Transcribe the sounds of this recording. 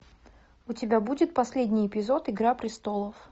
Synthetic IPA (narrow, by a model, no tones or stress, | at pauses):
ʊtʲɪbʲabudʲɪt̪̚pɐsʲlʲedʲnʲɪjɪpʲɪzo̞t̪ɪɡɾapɾʲɪst̪o̞lˠəf